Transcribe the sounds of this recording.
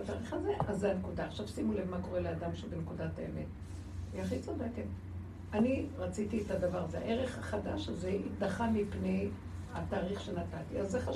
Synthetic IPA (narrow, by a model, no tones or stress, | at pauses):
at̪aːʁiχaze̞ʔazːeankudaːχʃavsimulevmako̞ʁe̞lead̪amʃebenkudataemet | iaχit͡sodeket | aniʁat͡sit̪ietad̪avaʁazea̰ʔe̞ʁe̞χhaχadaʃazeitd̪aχamipnej | hataːʁiχʃe̞nat̪at̪iazːeχa